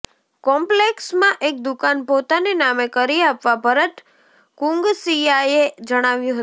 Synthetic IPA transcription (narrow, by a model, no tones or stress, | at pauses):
kɔmpleksmãʔek̚d̪ʊkanpot̪anenamekəɾiapʋabʱəɾət̪ | kũŋɡsiaed͡ʒəɽ̃aʋjũɦət̪